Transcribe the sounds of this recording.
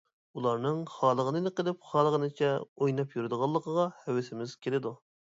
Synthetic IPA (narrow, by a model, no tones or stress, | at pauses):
ulˠɑɾnɨŋχɑːlˠəʁənɨnɨqəlˠɪp̚χɑːlˠəʁənɨt͡ʃʰɛojnɑpjyɾɪd̪əʁɑlˠːəqʰəʁɑhɛwɪsɪmɪz̥kʲʰelɪd̪u